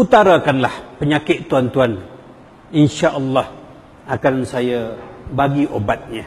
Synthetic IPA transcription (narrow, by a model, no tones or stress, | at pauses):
ut̪aɾakanlahpəɲakɪʔt̪ːuant̪uan | inʃaʔəlːɑh | akansajabaɡiʔobat̪̚ɲã